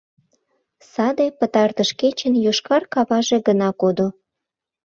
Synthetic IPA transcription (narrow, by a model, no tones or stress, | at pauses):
sɑd̪epət̪ɑrt̪əʃket͡ɕənjoʃkɑrkɑβɑʒeɡənɑkod̪o